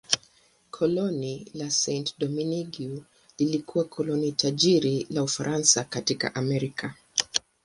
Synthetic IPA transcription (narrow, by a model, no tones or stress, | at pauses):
kʰɔlɔnilasɛntdɔminiɡiu | lilikʰuwakʰɔlɔnitʰaʄiɾilaufaɾʔansakatika̰ʔamɛɾikʰa